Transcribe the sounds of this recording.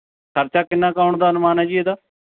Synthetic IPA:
kʰəɾt͡ʃaːkɪnːãːkaːʊɳd̪aːənʊmaːnɦɛːd͡ʒiːeːd̪aː

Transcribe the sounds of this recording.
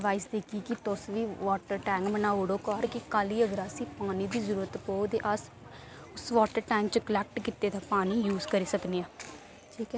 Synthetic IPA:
ʋaːisd̪eːkʰiːkɪt̪ʊsʋiːʋɔːʈəɾʈɛ̃ːŋkbənaːoɽoːkɔːɾkɪkaːliːəɡəɾaːsĩːpaːniːd̪iːzəɾuːɾət̪koːd̪eːʔəs | ʊsʋaːʈəɾʈɛ̃ːŋkt͡ʃəkəlɛːk̚ʈkɪt̪eːd̪aːpaːniːjuːzkəɾiːsəkniːãː | ʈʰiːkɛː

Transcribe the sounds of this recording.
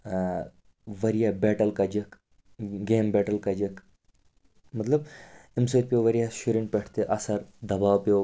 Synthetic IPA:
ʋɐɾijabɛːʈɐlkɐd͡ʒɐk | ɡeːmbɛːʈɐlkɐd͡ʒɐk | mɐt̪lɐbemsot̪̚pʲjoʋɐɾijaʃuɾiɳpʲɛʈʰt̪eʔɐsɐɾd̪ɐbaːwpʲo

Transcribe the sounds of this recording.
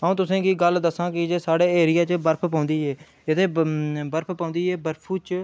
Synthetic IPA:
ɦaũːt̪ʊsẽːkiːɡəld̪əsːãːkɪd͡ʒeːsaːɽeːeːɾɪjaːt͡ʃbəɾpʰpãːnd̪iːɦɛː | ɪt̪ʰeːbəɾpʰpãːʊ̃ːnd̪iːɦɛːbəɾpʰuːt͡ʃ

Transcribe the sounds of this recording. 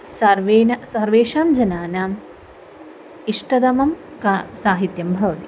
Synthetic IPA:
sɐɾʋeːnɐsɐɾʋeːʂaːmd͡ʒɐnaːnɐm | iʂʈɐd̪ɐmɐm | kasaːɦit̪jɐmbʱɐʋɐt̪i̥

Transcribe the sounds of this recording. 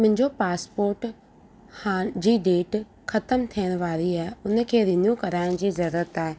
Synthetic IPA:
mʊ̃ɦɪ̃ɲd͡ʑopaːspoːɾʈ | haːd͡ʑiːɖeːʈ | xɐt̪əmt̪ʰijəɽ̃ʋaːɾiaːɦeʊnə̆kʰeːɾɪnjũkɐɾaːɪɽ̃d͡ʑiːzɐɾuːɾət̪aːɦe

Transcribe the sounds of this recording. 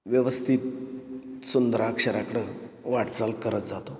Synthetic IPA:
ʋjəʋəst̪ʰit̪̚ | sund̪ɾakʂəɾakəɽə | ʋaʈt͡salkəɾət̪d͡zat̪o

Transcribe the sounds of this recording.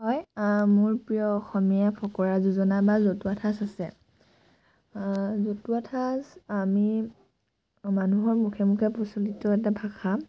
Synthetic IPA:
ɦɔjmʊɹpɹijɔːxɔmijapʰɔkɔɹazuzɔnabazotuatʰasasɛ | zotuatʰasami | manuɦɔɹmukʰemukʰɛpɔsolitɔɛt̬abʱaxʰa

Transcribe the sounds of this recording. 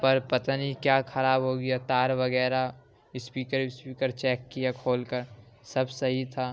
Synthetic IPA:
pɐɾpɐt̪nikjaːkʰɐɾaːbɦoːɡijat̪aːɾʋɐɡɛːɾa | ɪspiːkəɾspiːkəɾt͡ʃɛːkːijakʰoːlkəɾ | sɐbsɐɦit̪ʰaː

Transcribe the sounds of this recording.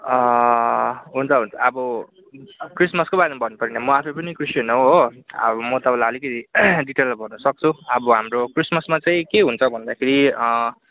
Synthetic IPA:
ɦunt͡sʰʌɦunt͡sʰʌʌbʌ | krismʌskobaɾemabʱʌnupʌɾinamʌapʰʌpʌnikrisjenʌɦoɦoʌ̰bʌmʌt̪ʌbãlaʌlikʌt̪iɖiʈelmabʱʌnːʌsʌk̚t͡sʰuʌbʌɦamrokrismʌsmat͡saĩkeɦunt͡sʰʌbʱʌnd̪akʰeɾiʌ

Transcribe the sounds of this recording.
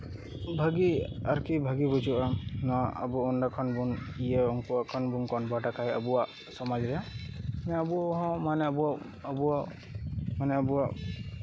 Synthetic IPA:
bʱaɡia̰ɾkibʱaɡibɔd͡ʒuʔanɔaʔa̰buunɖakʰɔnbunijəɔŋkuakʰɔnbunkɔnbaʈakʰaɦɛabuwaʔ | sɔmad͡ʒɾɛanɛabuaɦɔ̃manɛbua | abuwa | manɛabuwaʔ

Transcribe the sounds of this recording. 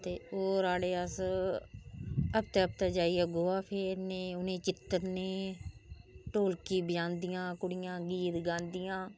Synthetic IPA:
t̪eːoːɾaːɽeːəs | əp̚t̪aːəp̚t̪aːd͡ʒaːiːəɡoːaːpʰeːɾneːʊnẽːt͡ʃɪt̪əɾneː | ʈoːlkiːbɪjãːnd̪ɪjãːkʊɽɪjãːɡiːɾɡãːnd̪ɪjãː

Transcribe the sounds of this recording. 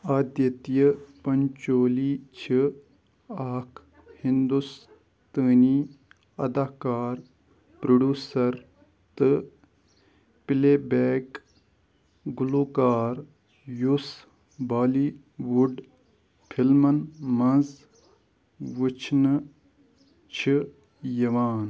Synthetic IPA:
aːd̪jɐt̪ijəpɐnt͡ʃoːliːt͡ʃʰi | aːkʰ | hĩnd̪us | t̪əːniː | ɐd̪aːkaːɾ | pɾoɖʲjuːsɐɾ | t̪ɨ | pɪleːbeːk | ɡuluːkaːɾ | jus | baːli | ʋuɖ | pʰilmɐnmɐ̃nz | ʋut͡ʃʰn | t͡ʃʰi | jɐʋaːn

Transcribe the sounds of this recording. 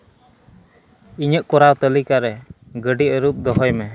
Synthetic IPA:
iɲəʔkɔɾawt̪əlikaɾɛ | ɡəɖiəɾup̚d̪ɔɦɔjmɛ

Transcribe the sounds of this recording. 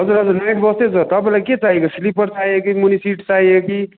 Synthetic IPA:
ɦʌd͡zuɾɦʌd͡zuɾnajʈ̚ʰbʌst̪et͡sʌt̪ʌplaket͡saɦikeslipʌɾt͡saɦiekimunisiʈt͡saɦieki

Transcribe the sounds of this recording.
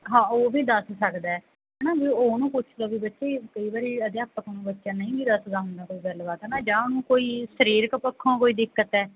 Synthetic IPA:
ɦãːoːbʱiːd̪əssəkd̪aːɛː | ɦɛːnãːbioːnũːpʊt͡ʃʰd̪aːbiːbətːʃeːkəiːbaːɾiːəd̪jaːpːəkonũːbətːʃãːnəĩːɡiːd̪əsd̪aːɦʊnd̪aːkoːiːɡəlbaːt̪ɛːnaːd͡ʒãːonũːkoːiːsəɾiːɾkəpəkʰːõːkoːiːd̪ɪkːət̪ɛː

